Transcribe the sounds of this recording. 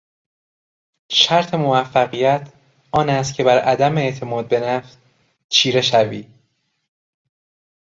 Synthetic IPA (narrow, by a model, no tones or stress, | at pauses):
ʃæɾt̪ʰe̞movæfːæɣijæt̪ʰ | ʔɒːnæst̪cʲʰe̞bæɾʔæd̪æmeːʔt̪ʰe̞mɒːd̪̚be̞næft̪ | t͡ʃʰiːɾe̞ʃæviː